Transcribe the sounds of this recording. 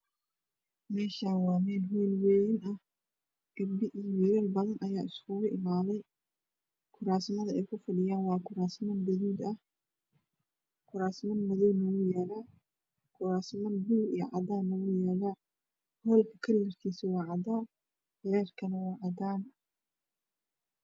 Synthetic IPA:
mɛːʃaːnwɑːmɛːlɦɛːlwɛːjɪnɐh | ɡ̥ɐbɪʔijwiːɾɐlbɐðɐnʔɐjaːʔɪskʰʊɣʊʔɪmaːlɛj | kʰʊɾaːsmɐðɐɛjkʰʊfɐɖɪjaːnwɑːkʰʊɾaːsmɐnbɐðuːd̪ɐh | kʰʊɾaːsmɐnmɐðɔːnɔɣʊjɛːlaː | kʰʊɾaːsmɐnbuːɾijɐ̰ʕɑd̪aːnɔɣʊjɛːlaː | hɔːlkʰɐkʰɐlːɐrkʰiːsɪwɑːʕɑd̪aː | hɾɛːrkʰɐnɐwɑːʕɑd̪aːn

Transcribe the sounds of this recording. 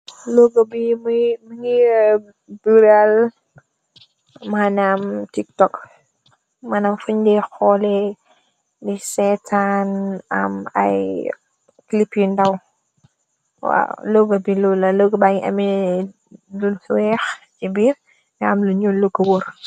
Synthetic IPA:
loɡəbimmŋi | byɾal | manamtik̚tɔk | manamfuɲdixɔlɛ | disɛtʰanɐ̰mɐ̰j | klipjindɐw | wa̰loɡəbilulɐloɡəbaŋiʔɐmi | luwɛxt͡ʃibiːr | nɛɐmluɲoloɡəwor

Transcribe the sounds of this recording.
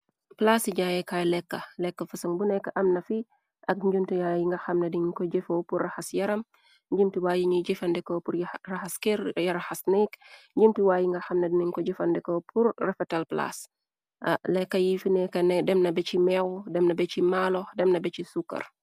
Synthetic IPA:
plasiɲaːjɛkajlɛkːɐlɛkːɐfusɐŋbunɛkːɐʔɐmnɐfi | ʔɐk̚ɲɟumtijajiŋɡɐxɐmnɐdiɲkɔɟɛfopurːɐxɐsjɐɾɐm | ɲɟimtiwaːjiɲiɟifɐndɛkopuɾjraxɐskɛɾjɐɾaxɐsnikɲɟimtiwaːjiŋɡɐxɐmnɐdiniɲkɔɟifɐndɛkopʰuɾrɛfɛtalpla̰s | lɛkːɐjifinɛkːɐnɛdɛmnɐbɛcimɛwdɛmnɐbɛcimalodɛmnɐbɛcisukːɐ̰r

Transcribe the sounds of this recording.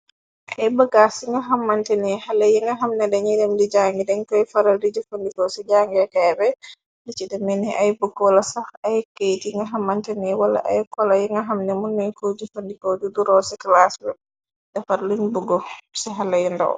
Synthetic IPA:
ʔajbaɡasiŋɡaɦamːantɛnɛhalajiŋɡaɦamnɛdɛɲidɛmdid͡ʒaŋɡidɛnkɔjfaɾaldid͡ʒufandikɔsɛd͡ʒaŋɡɛkɛːbɛ | dit͡ʃidɛmɛnɛʔajbuɡɔlasafajkejtiŋɡaɦamːantɛnɛwala̰ʔa̰jkɔlajiŋɡaɦamnɛmunːunkod͡ʒufandikɔd͡ʒuduɾɔsɛklasbɛ | dafaɾlunbuɡɔsɛɦalajindɔ̰w

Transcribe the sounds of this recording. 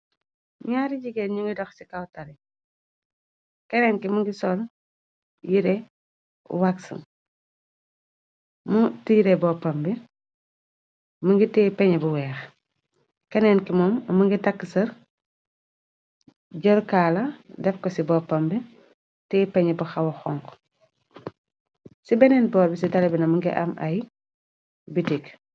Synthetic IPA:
ɲaːɾiɟiɡɛnɲuŋɡidɔxsikawtɐɾi | kɛnɛnkimuŋɡisɔl | jiɾɛ̰ | waksṵm | mutiːɾɛbɔːpɐmbi | muŋɡitɛːpɛɲɛbuwɛːx | kɐnɛːnkimɔːmmɐŋɡitɐkːəsɐɾ | ɟɔɾkaːlɐdɛfkɔsibɔːpːɐmbi | tɛːpɛɲɛbuxɐwɐxɔŋk | sibɛnɛːnbɔːɾbisitɐlɐbinɐmuŋɡḭʔɐ̰mʔɐ̰j | bitik

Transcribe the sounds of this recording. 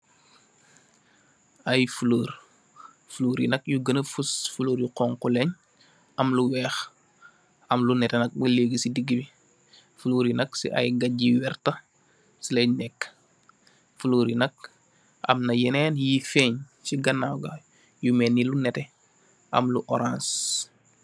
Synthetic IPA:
ɐjfuloːɾ | fuluːɾinɐkjuɡənəfusfuloːɾjuqɔŋkuleɲ | ɐmluwɛːx | ɐmlunɛtɛnɐk̚bəleɡisidiɡːibi | fuloːɾinɐksḭʔɐ̰jɡɐɟiwɛrtɐ | silenɛkː | fuləːɾinɐk̚ | ɐ̰mnɐjɛnɛːnjifɛːɲ | siɡɐnːaːwɡɐ | jumɛnːilunɛtɛ | ʔɐ̰mluʔɔɾãns

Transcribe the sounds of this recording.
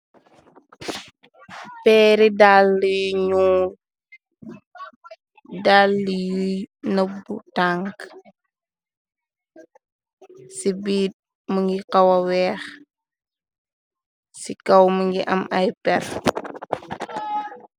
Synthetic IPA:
pɛːɾidaːlːijɲuːl | daːlːijujnəbːṵtaŋk | sibiːt̚ | muŋɡiqɐwɐwɛːx | sikɐwmuŋɡiʔɐmɐjpɛr

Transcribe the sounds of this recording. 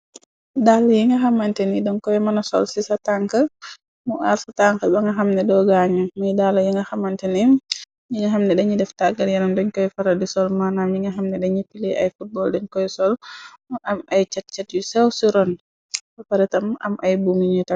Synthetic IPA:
dalːɐjiŋɡɐxɐmɐntɛnidɔŋkɔjɛmɐnɐsɔlsisɐtaŋkə | muʔaɾsɐtaŋkəbɐŋɡɐxamnɛdɔɡaɲɐmɐjdalɐjiŋɡɐxɐmːɐntɛnim | ɲiŋɡɐɦamnɛdɛɲidɛftaɡɐɾjɐnɐmdɔɲkɔjfɐɾɐdisɔlmanamɲiŋɡɐɦɐmnɛdɛɲipileʔa̰jfut̚bɔldɛɲkɔjsɔlʔɐmɐjt͡ʃɛt̚t͡ʃɛt̚jusɛwsiɾɔn | fɐfaɾɛtɐmɐ̰mʔɐjbumiɲuta

